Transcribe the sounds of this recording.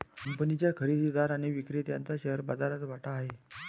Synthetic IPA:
kəmpənit͡ɕjakʰəɾid̪id̪aɾaɽ̃iʋikɾet̪ja̰nt͡saɕəɦəɾbad͡zaɾat͡sʋaʈaːɦe

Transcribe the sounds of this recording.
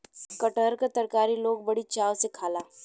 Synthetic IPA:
kəʈəɾkat̪ɐɾkaːɾiloːɡ̚bɐɽit͡ʃaːwsekʰaːlaː

